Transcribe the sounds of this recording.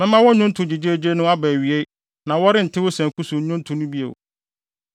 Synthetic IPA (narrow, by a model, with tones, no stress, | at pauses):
mɛ̃˦mã˦wɔ˦ɲʊ̃˦n˦tʰʊ̃˨d͡ʑi˨d͡ʑe˦d͡ʑe˦nʊ̃˦a˦bæ˨ɥi˨e˦i˦ | nã˨wɔ˦ɾɪ˦n̩˨tʰɪ˦wʊ˦sɛ̃˨kʰu˦su˨˦ɲʊ̃˦n˦tʰũ˨nʊ̃˦bi˦ḛ˨w